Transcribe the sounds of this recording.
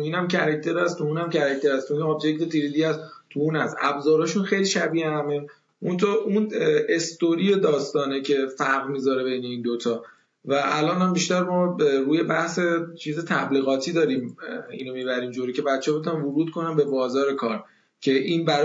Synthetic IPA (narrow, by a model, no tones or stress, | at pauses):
iːnæmcʰæɾæct̪ʰe̞ɾæst̪ʰuuːnæmcʰæɾæct̪e̞ɾæst̪ʰuoobd͡ʒect̪e̞t̪ʰiɾid̪iæzt̪ʰuunæst̪æ̰bzɒːɾɒːʃunxejliʃæbiːehæme | mont̪ʰoʔunest̪oɾied̪ɒːst̪ɒːnecʰe̞fæɾɣmiːzɒɾe̞be̞jne̞iːnd̪ot̪ʰɒː | væʔælɒːnæmbiʃt̪æɾmɒːɾuːje̞bæhse̞t͡ʃʰiːze̞t̪ʰæbliːɣɒːt̪ʰiːd̪ɒːɾiːmḭːnomiːbæɾiːmd͡ʒoɾice̞bæt̪t͡ʃʰːeɔbe̞t̪unænvoɾuːd̪̥̚kʰo̞næmbe̞bɒːzɒːɾe̞kʰɒːɾ | cʰe̞ʔiːnbæɾ